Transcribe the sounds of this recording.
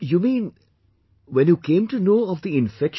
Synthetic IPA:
jumĩːn | ʋɛ̃njuːkẽːmʈunoːɔʋd̪iɪ̃nfɛk

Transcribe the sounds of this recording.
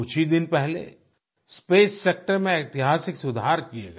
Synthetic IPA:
ʊt͡ʃʰid̪ɪnpɛɦlḛ | speːsːeːk̚ʈəɾmẽet̪ɪɦaːsɪksʊd̪ʱaːɾkiḛːɡa

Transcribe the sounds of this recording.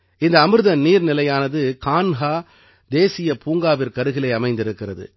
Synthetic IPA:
ɪnd̪ɐːmɯɾɯðɐnniːɾnɪlɐjaːnɐðɯkaːnɣaː | d̪eːsɪjɐpuːŋɡaːʋɪɾkɐɾɯɣɪlɐɪɐmɐɪnd̪ɪɾɯkːɪrɐðɯ̰

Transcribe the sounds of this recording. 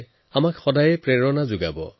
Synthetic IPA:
amakxɔdajɛpɹɛɹɔnazʊɡabɔ̰

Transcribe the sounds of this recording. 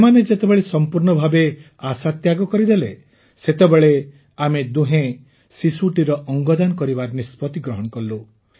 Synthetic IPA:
smaned͡ʒet̪ebeɭesɔmpuɾɳɔbʱabe | asat̪jaɡɔkɔɾid̪ele | set̪ebeɭe | amed̪uɦẽ | sisuʈiɾɔʔɔŋɡɔd̪anɔkɔɾibaɾnispɔt̪iɡɾɔɦɔɽ̃ɔkɔllu

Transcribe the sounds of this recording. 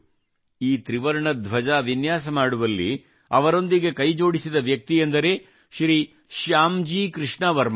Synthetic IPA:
iːt̪ɾiʋɐɾɐɳɐd̪ʋɐd͡ʒaːʋinjaːsɐmaːɽuʋɐlːḭ | ɐʋɐɾo̞nd̪iɡe̞kɐjd͡ʒo̞ːɽisid̪ɐʋjɐk̚t̪ijend̪ɐɾe̞ː | ʃɾi | ʃjaːmd͡ʒiːkɾɨʂɳɐʋɐɾm

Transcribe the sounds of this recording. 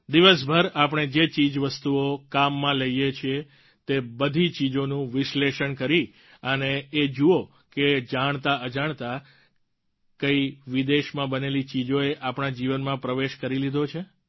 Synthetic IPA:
d̪iʋəsbʱəɾapəɳ̃ed͡ʒet͡ʃid͡ʒʋəst̪uokamːãləijet͡ʃʰe | t̪ebəd̪ʱit͡ʃid͡ʒonũʋɪʃleʃəɳkəɾi | əneːd͡ʒuo | ked͡ʒaɳ̃t̪aʔəd͡ʒaɳ̃t̪a | kəiʋid̪eʃmãbənelit͡ʃid͡ʒoeʔapɳ̃ad͡ʒiʋənmãpɾəʋeʃkəɾilid̪ʱot͡ʃʰe

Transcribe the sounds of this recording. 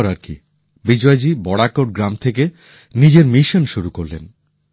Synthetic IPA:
ɾaɾkḭ | bid͡ʑɔed͡ʑibɔɽakoʈ̚ɡɾamt̪ʰeke | nid͡ʑeɾmiʃonʃuɾukoɾlḛn

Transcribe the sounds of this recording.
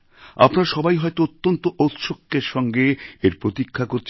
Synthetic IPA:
a̰pnaɾʃɔbajɦɔet̪oot̪ːont̪oʔot̪ʃokːeɾʃɔŋɡeeɾpɾot̪ikʰːakoɾt͡ɕʰ

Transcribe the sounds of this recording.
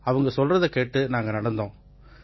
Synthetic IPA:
ɐʋɐŋɡɐsɔlrɐðɐkeːʈːɯnaːŋɡɐnɐɽɐnd̪õː

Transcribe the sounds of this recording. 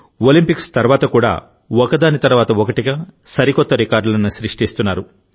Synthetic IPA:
olimpikst̪ɐɾuʋaːt̪ɐkuːɽa̰ː | ɔkɐd̪aːnit̪ɐɾuʋaːt̪ɐɔkɐʈiɡasɐɾikɔt̪ːɐɾikaːɾɖulɐnuʃɾiʂʈist̪unːaːɾu

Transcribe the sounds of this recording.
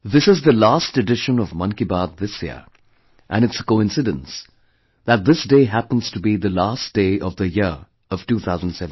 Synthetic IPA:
ðɪsɨzðəlaːstɨɖɪʃə̃nʌvmʌ̃nkibaːd̪̚ðɪsjḭə | ʔæ̃nɨtsə̥koɪ̃nsɨdə̰̃ns | ðət̚ðɪsdeɪɦæpə̃n̩z̥tubiðəlasd̥eɪʔʌvðəjɪ | ʌv̥tuːθʰaʊzə̃n̩dsɛṽ

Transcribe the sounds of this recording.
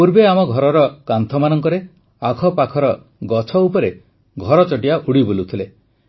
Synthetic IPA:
puɾbeamɔɡʱɔɾɔɾɔkant̪ʰɔmanɔŋkɔɾe | akʰɔpakʰɔɾɔ | ɡɔt͡ʃʰɔupɔɾe | ɡʱɔɾɔt͡ʃɔʈijaʔuɽibolut̪ʰile

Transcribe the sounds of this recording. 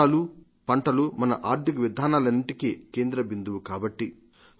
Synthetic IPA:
alu | pɐɳʈɐlumɐnɐ̰ʔaːɾt̪ikɐʋid̪ʱaːnaːlɐnːiʈikike̞ːnd̪ɾɐbind̪uʋukaːbɐʈːi

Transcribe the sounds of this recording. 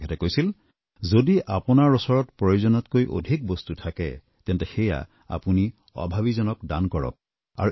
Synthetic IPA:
ɛtɛkojsil | zodiʔapɔnaɹɔsɔɹɔtpɹɔjozɔnɔtkojʔo̰dʱik̚bɔstutʰakɛ̰ | tɛntɛxɛja̰ | a̰puni | ɔ̰bʱaβizɔnɔkdankɔɹɔ̰k̚ | a̰ɹu

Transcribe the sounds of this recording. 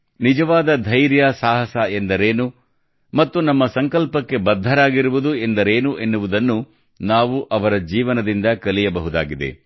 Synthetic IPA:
nid͡ʒɐʋaːd̪ɐd̪ʱɐjɾjɐsaːɦɐsɐend̪ɐɾeːnu | mɐt̪ːunɐmːɐsɐŋkɐlpɐkːe̞bɐd̪ʱːɐɾaːɡiɾuʋud̪ue̞nd̪ɐɾeːnuʔe̞nːuʋud̪ɐnːu | naːʋuʔɐʋɐɾɐd͡ʒiːʋɐnɐd̪ind̪ɐkɐlijɐbɐɦud̪a̰ːɡid̪e̞̰

